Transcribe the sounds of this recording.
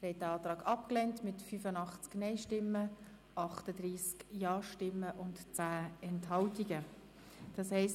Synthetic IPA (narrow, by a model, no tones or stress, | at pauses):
ɾhɛt̚dəɑːtɾɑːɡɑpklɛntmɪtfyfənɑχt͡sknɛɪʃtɪmːə | ʔɑχtədriːskjɑːʃtɪmːəʔʊntt͡sæːɛnthɑltiɡə | d̥ɑshɛɪst